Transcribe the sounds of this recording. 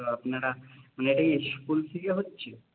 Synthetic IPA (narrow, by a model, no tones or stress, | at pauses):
oapnaɽamaneeʈakiskult̪ʰekeɦotːɕʰe